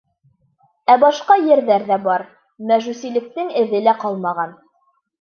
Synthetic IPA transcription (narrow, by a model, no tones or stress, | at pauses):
æbɑʃqɑjɘ̆ɾðæɾðæbɑɾ | mæʒʉsilɘ̆k̚t̪ɘŋɘ̆ðɘlæqɑlˠmɑʁɑn